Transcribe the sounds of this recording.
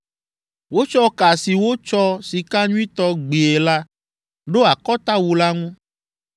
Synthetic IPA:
wo˦t͡ʃɔ˦ka˨si˨wo˦t͡ʃɔ˦si˨ka˦ɲũ˦i˦t̪ɔ˦ɡ͡be˨e˨la˦ | ɖo˦a˨kɔ˦t̪a˦wu˨la˦ŋũ˦

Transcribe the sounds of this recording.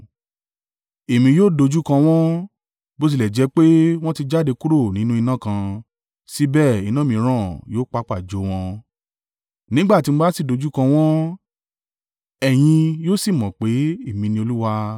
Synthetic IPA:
e˨mĩ˧joː˦do˧d͡ʒu˦kã˧w̃ɔ̃˦ | bo˦s̬i˧lɛ˨d͡ʒɛ˨˧˦k͡pe˦w̃ɔ̃˦ti˧d͡ʒa˦˨de˧ku˦ɾo˦˨nĩ˨˦nũ˦i˧nã˦˨kã˧ | si˦bɛː˦˨i˨˧nã˦mĩ˧˦ɾ̃ã˦˨joː˦k͡pa˧˦k͡pa˦˨d͡ʒo˨˦w̃ɔ̃˧ | nĩ˨˦ɡ͡ba˦˨ti˧m̩ũ˧ba˦si˦˨do˧d͡ʒu˦kã˧w̃ɔ̃˦ | ɛ˨j̃ĩ˧joː˦si˦˨mɔ̃˨k͡pe˨˦e˦˨mĩ˨˧nĩ˧o˧lu˦wa˧

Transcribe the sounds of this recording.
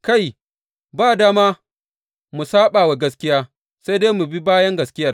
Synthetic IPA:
ka˦˨j | baː˦˨daː˦maː˦ | mu˨saː˦ɓaː˨wa˨ɡɐ˦s̬kʲɪ˦jaː˦ | sa˦jdeː˦mu˨bi˦baː˦jɐ˦ŋɡɐ˨skʲɪ˦jɐ˨r

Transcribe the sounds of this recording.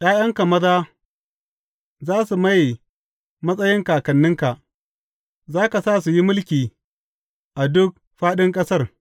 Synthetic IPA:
j̰aː˦jɐ˦ŋka˨mɐ˦zaː˦ | zaː˦su˨ma˦j | mɐ˦sʼɐ˦jɪ˦ŋka˨kɐ˨nːɪ˦ŋka˨ʔ | zaː˦ka˨saː˦˨su˨ji˦mʊ˦lkʲiː˨ | ʔa˨dʊ˦k̚ | ɸaː˦ɗɪ˦ŋkʼɐ˦sɐ˦r

